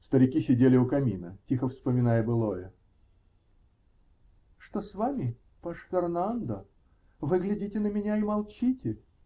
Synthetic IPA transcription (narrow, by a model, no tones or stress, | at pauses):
st̪əɾʲɪkʲisʲɪdʲelʲɪʊkɐmʲḭnətʲixəfspəmʲɪnajəbɨlˠojə | ʂt̪osvamʲɪ | pɐʂfʲɪrnand̪ə | vɨɡlʲɪdʲitʲɪnəmʲɪnʲaɪmɐlˠt͡ɕitʲɪ